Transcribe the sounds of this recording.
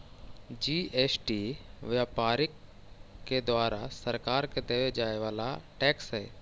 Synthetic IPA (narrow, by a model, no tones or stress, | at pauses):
d͡ʒiːeːsʈiːʋjaːpaːɾɪkː | ed̪waːɾasəɾkaːɾked̪eːʋed͡ʒaːeʋaːla̰ʈɛːksɦɛː